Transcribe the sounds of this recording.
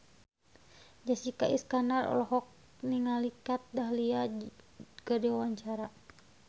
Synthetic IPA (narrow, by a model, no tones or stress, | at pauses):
d͡ʒasikaʔḭskanarɔ̰lɔɦɔk̚ | niŋalikat̪̚daɦlia | kədiwawaɲt͡ʃaɾa